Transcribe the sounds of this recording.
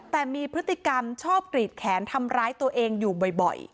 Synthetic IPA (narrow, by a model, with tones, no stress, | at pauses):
t̪ɛː˨˩miː˧pʰɾɯ˦˥t̪ːi˨˩ka˧mt͡ɕʰɔː˥˩p̚kɾiː˨˩t̪̚kʰɛː˩˦nt̪ʰa˧mɾaː˦˥jt̪u˧ɐʔeː˧ŋjuː˨˩bɔ˨˩jbɔ̰˨˩j